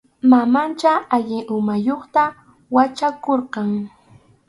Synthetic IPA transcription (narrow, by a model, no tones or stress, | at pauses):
mamant͡ʃaaʎɪʔʊmajoχt̪a | wat͡ʃakoɾqɑŋ